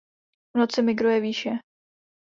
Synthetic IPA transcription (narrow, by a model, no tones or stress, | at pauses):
vnot͡sɪmɪɡɾujɛviːʃɛ